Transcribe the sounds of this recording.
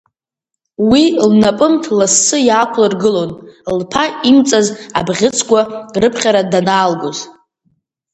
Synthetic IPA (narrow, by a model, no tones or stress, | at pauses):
wilnapʼɨmtʰlasːɨjaːkʷʰlarɡɨlo̞nlpʰaimt͡sʼaza̰bʁʲɪt͡sʼʰkʷʼarɨpʰχʲaɾadanaːlɡoz